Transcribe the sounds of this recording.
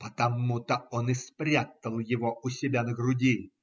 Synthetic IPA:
pət̪ɐmut̪əonɪspɾʲat̪əlˠjɪvoʔʊsʲɪbʲanəɡɾʊdʲi

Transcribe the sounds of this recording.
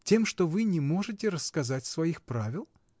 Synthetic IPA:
tʲe̞mʂt̪ovɨnʲɪmo̞ʐɨtʲɪɾəsːkɐzatʲsvɐixpɾavʲɪlˠ

